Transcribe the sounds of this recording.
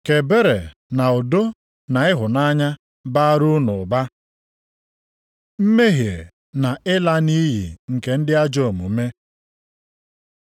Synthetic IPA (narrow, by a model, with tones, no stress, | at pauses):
ke˨be˦ɾe˨na˨o˨do˦ | na˨ɪ˦ɦʊ˨na˦ɲa˦ | ba˦ɾʊ˦nʊ˨ba˦ | m̩˦me˦ɦe˨ | na˨ʔɪ˦la˦ni˦ɦḭ˨ŋ̩˨ke˨n̩˦dɪ˦a˦d͡ʒo˦˨mṵ˨˦me˦